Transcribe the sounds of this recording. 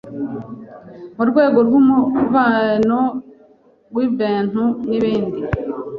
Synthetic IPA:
muɾɡwe̞ːɡo̞ɾɡumuvano | ɾwiviːn̥uniβiːndi

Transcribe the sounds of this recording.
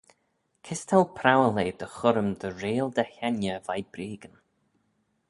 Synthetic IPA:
kʰɪst̪ʰɛlpʰɾawəleːd̪̥əxʊɾəmd̪əɾeːlˠd̪əhɛnjəvajb̥ɾiːɡən

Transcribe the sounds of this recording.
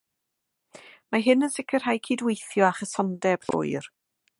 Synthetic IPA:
maɦɨnənsɪkʰərɦajkʰiːdwejθjɔaχəsɔndɛblo̰ːɨr

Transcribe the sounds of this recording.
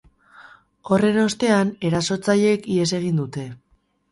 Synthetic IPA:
o̞re̞no̞st̪e̞ane̞ɾaso̞t͡saʎe̞kie̞s̬e̞ɣ̞ind̪ut̪e̞

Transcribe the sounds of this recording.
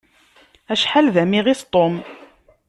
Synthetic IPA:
æʃħalðæmiʁɪθt̪ˤːom

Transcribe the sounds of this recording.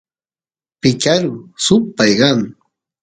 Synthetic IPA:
pɪt͡ʃaɾʊsʊpajɢɑŋ

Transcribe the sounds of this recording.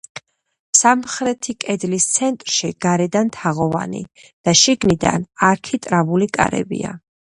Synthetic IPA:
samχɾɛt̪ʰikʼɛd̪list̪sʰɛnt̪ʼɾʃiɡ̥aɾɛd̪ant̪ʰaʁɔva̰nḭ | d̪̥aʃiɡnid̪a̰naɾkʰit̪ʼɾavulikʼa̰ɾɛ̰bḭa̰

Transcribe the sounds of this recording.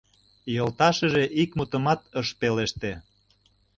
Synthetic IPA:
jolt̪ɑʃə̆ʒeʔikmut̪ə̆mɑt̪əʃpeleʃt̪e

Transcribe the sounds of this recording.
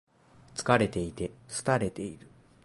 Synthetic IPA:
t͡sɨ̥kaɾe̞t̪e̞it̪e̞sɨ̥t̪aɾe̞t̪e̞iɾɯ̟

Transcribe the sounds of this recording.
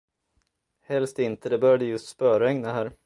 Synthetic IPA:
hɛlst̪ɪnt̪əd̪ɛbœɾjad̪əjɵst̪spœːɾaɛŋnaɦæːɾ

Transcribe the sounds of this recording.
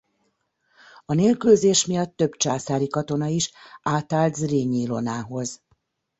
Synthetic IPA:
ɒneːlkylzeːʃmijɒt̪ːø̞bt͡ʃaːsaːɾikɒt̪o̞nɒiʃaːt̪aːlt̪zreːɲiːlo̞naːɦo̞z

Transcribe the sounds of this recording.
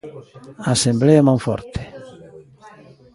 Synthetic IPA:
aːsembleemãŋfɔ̰ɾt̪e̥

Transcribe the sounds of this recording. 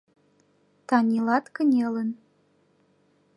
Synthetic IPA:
t̪ɑnʲilɑt̪kə̆nʲelən

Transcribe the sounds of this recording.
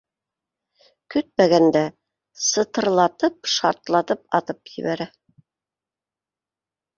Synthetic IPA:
kɵt̪̚mæɡænd̪æ | sɤ̆t̪ɤ̆ɾlˠɑt̪ɤpʃɑ̰ɾt̪lˠɑt̪ɤp̚ɑ̰t̪ɤpjɘ̰̆βæɾæ

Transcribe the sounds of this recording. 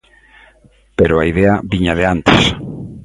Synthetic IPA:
peɾʊaiðeɐβiɲaðeant̪ɪs

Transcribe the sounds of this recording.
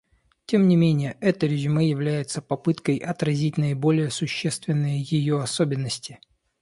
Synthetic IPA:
tʲe̞mnʲɪmʲenʲɪjəʔɛt̪əɾʲɪʒʲɨməjɪvlʲæjɪt̪səpɐpɨt̪kəjʔɐt̪ɾɐzʲitʲnəɪbo̞lʲɪjəsʊɕːest̪vʲɪnːɨjəjɪjo̞ɐsobʲɪnːəsʲtʲɪ

